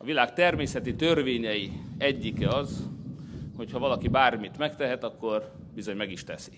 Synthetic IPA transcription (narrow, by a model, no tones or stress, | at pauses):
ɒvilaːkt̪ɛrmeːsɛt̪it̪ørʋeːɲɛjiɛɟːikɛɒz | ho̞chɒvɒlɒkibaːrmit̪mɛkt̪ɛɦɛt̪ɒkːo̞r | bizo̞ɲmɛɡiʃt̪ɛsi̥